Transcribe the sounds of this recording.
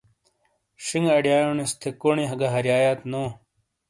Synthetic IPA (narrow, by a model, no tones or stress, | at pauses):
ɕiŋɡɐɽijaːjonist̪ʰekoɳiɦɐɡaɦɐɾjaːjaːt̪noː